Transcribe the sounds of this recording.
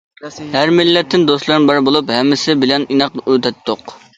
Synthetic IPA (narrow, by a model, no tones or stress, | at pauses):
hæɾmɪlːɛt̪ʰːɪnd̪oslˠɨɾɨnbɑɾbolˠuphɛmːɪsɪbɪlɛninɑq̚øt̪ʰɛt̪ʰːoq